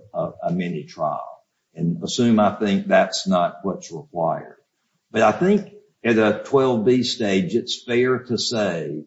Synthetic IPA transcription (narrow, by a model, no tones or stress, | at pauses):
ʌəmɛnitʰɹ̥a̰ɪl̩ˠ | ɨ̃nəsʉ̃maɪθɪ̃ŋk̚ðætsnət̚wʌtsɹəkʰw̥aɪə̰˞d̚ | b̥ʌɾaɪθɪ̃ŋk | ɨɾɨtʰw̥ɛlˠvbisteɪd͡ʒɨtsfɛɹɾɨseɪ